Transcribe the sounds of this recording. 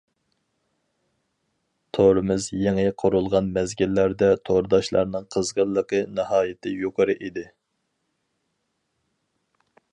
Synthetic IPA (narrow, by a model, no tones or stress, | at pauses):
t̪ʰoɾɨmɨzjeŋɪqʰʊɾulˠʁɑnmɛzɡʲilːæɾd̪ɛt̪ʰoɾd̪ɑʃlˠɑ̰ɾnɨŋqʰəzʁəlːˠəqənɨhɑːjɪt̪ʰɪjoqʰəɾɨʔid̪ɪ